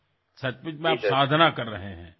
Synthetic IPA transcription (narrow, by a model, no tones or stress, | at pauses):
sɐt͡ʃbɪd͡ʒmẽaːpsaːd̪ʱnakɐɾːɐɦeɦɛ̰̃ː